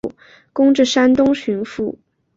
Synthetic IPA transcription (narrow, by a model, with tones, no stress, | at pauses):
kʊ˥ŋʈ͡ʂɻ̩˥˩ʂa˥nt̪ʊ˥ŋɕʰy˧˥nfu˥˩